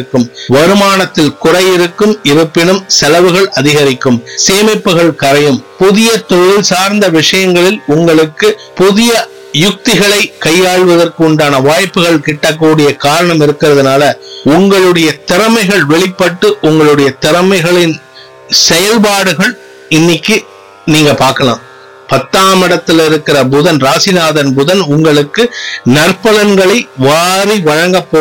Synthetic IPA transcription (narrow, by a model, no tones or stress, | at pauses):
kːɯmʋɐɾɯmaːnɐt̪ːɪlkʊrɐjɪɾɯkːɯmɪɾɯpːɪɳɯmsɛlɐʋɯɣɐɭɐðɪɣɐɾɪkːɯmseːmɐɪpːɯɣɐɭkɐɾɐjɯmpʊðɪjɐt̪ɔjɪlsaːɾnd̪ɐʋɪʂɐjɐŋɡɐɭɪlʊŋɡɐɭɯkːɯpʊðɪjɐ | jʊk̚t̪ɪɣɐɭɐɪkɐjːaːɻʋɐðɐrkɯʊɳɖaːnɐʋaːjpːɯɣɐɭkɪʈːɐk̬ːuːɽɪjɐkaːɾɐɳɐmɪɾɯkːɪrɐðɐnaːlɐʊŋɡɐɭɯɽɐjɐt̪ɪɾɐmɐɪɣɐɭʋɛɭɪpːɐʈːɯʔʊŋɡɐɭɯɽɐjɐt̪ɪɾɐmɐɪɣɐɭɪn | sɛjɐlpaːɽɯɣɐɭ | ɪnːɪkːɯ | niːŋɡɐpaːɾkɐla̰ːm | pɐt̪ːaːmɐɽɐt̪ːɪlɪɾɯkːɪrɐbʊðɐnɾaːsɪnaːðɐnbʊðɐnʊŋɡɐɭɯkːɯnɐrpɐlɐnɡɐɭɐɪʋaːɾiʋɐɻɐŋɡɐpːoː